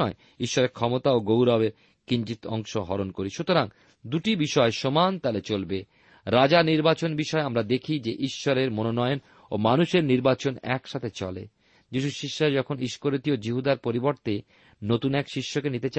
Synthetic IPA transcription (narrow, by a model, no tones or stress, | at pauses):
e | iʃːɔɾeɾkʰɔmot̪aoɡowɾabeɾ | kiɲd͡ʑit̪ɔ̰ŋʃoɦɔ̰ɾonkoɾiʃut̪oɾaŋ | d̪uʈibiʃɔeʃomant̪alet͡ɕolbe | ɾad͡ʑaniɾbat͡ɕonbiʃɔeamɾad̪ekʰid͡ʑeʔiʃːɔɾeɾmononɔjon | o̰manuʃeɾniɾbat͡ɕonɛ̰kʃat̪ʰet͡ɕɔ̰lḛ | d͡ʑiʃuʃiʃːad͡ʑɔkʰoniʃkoɾot̪iod͡ʑiɦud̪aɾpoɾiboɾt̪e | not̪unɛkʃiʃːokenit̪et͡ɕa